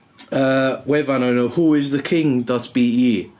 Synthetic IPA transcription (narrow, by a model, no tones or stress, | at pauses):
əwɛvanonohuɪzðəkʰɪ̃ŋdɔtb̥iːiː